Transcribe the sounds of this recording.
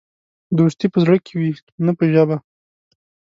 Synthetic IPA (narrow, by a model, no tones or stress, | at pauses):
d̪oʃt̪ipəzɽəkʰewi | napəʒaba